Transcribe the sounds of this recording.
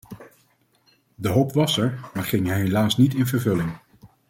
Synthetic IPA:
dəɦowpʋɑsɛɹmaːɹχɪŋɦɛjɦelaːsnitɪnvəɹvɵlɪŋ

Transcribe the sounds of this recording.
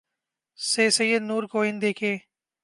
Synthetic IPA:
seːsɐjːəd̪nuːɾkoːɪnd̪eːkʰẽː

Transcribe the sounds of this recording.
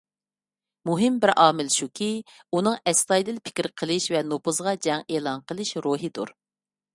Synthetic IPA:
muɦɪmbɪɾʔɑːmɪlʃukʲʰiunɨŋɛst̪ɑjd̪ɪlpʰɪ̥kʲɪɾqʰəlˠɨʃvɛnopʰʊzʁɑd͡ʒɛŋeːlˠɑnqəlˠɨʃɾuɦɨd̪ṵɾ

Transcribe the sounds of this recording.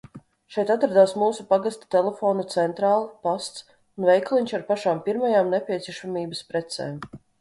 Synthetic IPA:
ʃɛjt̪at̪ɾad̪aːwsmuːsupaɡast̪ḁt̪ɛlɛfoːnut̪sɛnt̪ɾaːlˠpast̪s | unvɛjklˠiɲʲʃaɾpaʃaːmpʲiɾmajaːmnɛpʲiɛiɛʃamʲiːbəspɾɛt̪sɛ̰ːm

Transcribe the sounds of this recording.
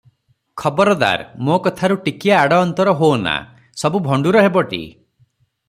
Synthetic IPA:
kʰɔbɔɾɔd̪a̰ɾmokɔt̪ʰaɾuʈikiaːɽɔːnt̪ɔɾɔɦona̰ | sɔbubʱɔɳɖuɾɔɦebɔʈḭ

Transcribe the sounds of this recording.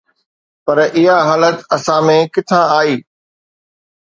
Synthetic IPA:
pɐɾɪɦaɦaːlət̪ɐsãmẽkɪt̪ʰãaːiː

